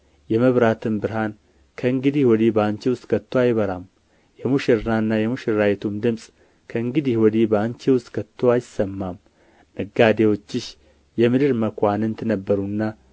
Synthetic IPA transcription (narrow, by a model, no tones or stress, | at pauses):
jɛməβɾat̪ʰɨmbɨɾɦan | kʰəɨŋɡɨd̪ihwɔd̪ibəant͡ʃiwʊst̪ʼkʰət̪ʰːoajɪβəɾam | jɛmuʃɪɾnanːajɛmuʃɪɾajɛt̪ʰumd̪ɨmsʼ | kʰəɨŋɡɨd̪iwɔd̪ibəant͡ʃiwʊst̪ʼkʰət̪ʰːoajɪsəmːamː | ɨɡad̪ewo̞t͡ʃːɪʃ | jɛmɨd̪ɨɾməkʷanɨnt̪ʰɨnəbːəɾunːa